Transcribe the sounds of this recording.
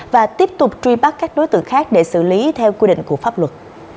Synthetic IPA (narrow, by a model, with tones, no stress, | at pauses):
vaː˨˩t̪i˦˥əp̚t̪ʊ˨˩k͡p̚t͡ɕwi˧ɓa˦˥k̚kːaː˦˥k̚ɗo˨˦jt̪ɨ̰˧˨ŋxaː˦˥k̚ɗe˧˩sɨ̰˧˩li˨˦t̪ʰɛ˧wkwi˧ɗḭ˧˨ŋ̟ku˧˩əfaː˦˥p̚lwə˨˩t̚